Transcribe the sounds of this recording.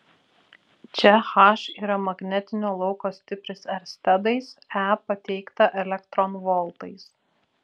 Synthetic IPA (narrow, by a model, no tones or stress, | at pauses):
t͡ʃʲɛxɑˑʃiːɾɐmɐɡnʲɛt̪ʲɪnʲoːlˠɒʊkoːsʲt̪ʲɪpʲɾʲɪsɐɾsʲt̪ʲɛd̪ɐɪsæːpɐt̪ʲɛɪkt̪ɐʔɛlʲɛkt̪ɾɔnʋɔlˠt̪ɐɪs